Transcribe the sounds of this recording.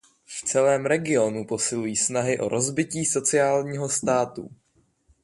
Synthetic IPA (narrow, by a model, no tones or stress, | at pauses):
ft͡sɛlɛːmɾɛɡɪo̞nupo̞sɪlujiːsnaɦɪʔo̞̰ɾʔo̞zbɪciːso̞t͡sɪaːlɲiːɦo̞st̪aːt̪ṵ